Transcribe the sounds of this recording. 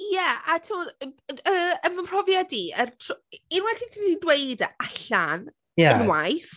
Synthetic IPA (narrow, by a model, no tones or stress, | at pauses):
jɛʔatʰɪmɔdəənvəmpʰr̥ɔvjadiəntʰinwɛɬitʰinidweɨdaɬan | ɛənwajf